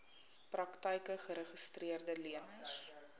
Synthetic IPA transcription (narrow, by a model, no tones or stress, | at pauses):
prɐktəjkəχəɾəχəstriərdəliənəjs